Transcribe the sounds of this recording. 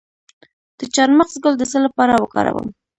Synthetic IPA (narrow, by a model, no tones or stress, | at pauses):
d̪̥ət͡ʃɑɾməqzɡəld̪əsəlapɑɾawəkɑ̰ɾa̰wə̰m